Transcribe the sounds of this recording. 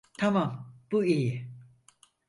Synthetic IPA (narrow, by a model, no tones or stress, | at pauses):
t̪ʰamamb̥uiji